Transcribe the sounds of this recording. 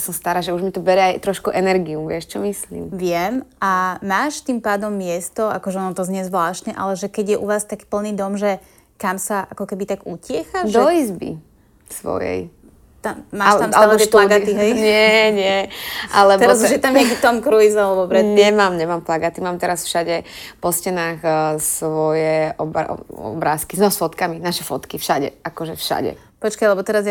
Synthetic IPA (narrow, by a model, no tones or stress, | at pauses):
sɔmst̪aɾaːʒɛuʒmit̪ɔbɛɾɛajt̪ɾɔʃkuʔɛnɛɾɡiumʋɪɛʃt͡ʃɔmislḭːmʋɪɛmʔamaːʃt̪iːmpaːd̪ɔmːɪɛst̪ɔakɔʒɛɔnɔt̪ɔzɲɛzʋlaːʃt̪ɲɛʔa̰lɛʒɛkɛɟjɛʔuʋaːst̪aki̥pl̩niːd̪ɔmʒɛ | kamsaʔa̰kɔkɛbit̪aɡucɪɛxaʒʒd̪ɔizbḭ | sʋɔ̰jɛ̰j | t̪amːaːʃamaluɛʃplaɡat̪iɦɛjɲɪɛɲɪɛʔalɛb̪ɛɾaazuʒjɛt̪amɛkit̪ɔmkɾuizalɛbɔpɾɛɲɛmaːmɲɛmaːmplaɡat̪imaːmt̪ɛɾasfʃaɟɛpɔscɛnaːxsʋɔjɛʔɔb̰ɔ̰bɾaːskiznɔsfɔt̪kaminaʃɛfɔt̪kifʃaɟɛ̰ʔakɔʒɛfʃa̰ɟɛ̰ | pɔt͡ʃkajlɛbɔt̪ɛɾazj